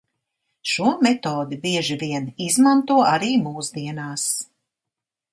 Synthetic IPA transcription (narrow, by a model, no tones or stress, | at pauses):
ʃuɔmɛt̪ɔːd̪ibiɛʒiviɛnizmant̪uɔaɾiːmuːzd̪iɛnaːs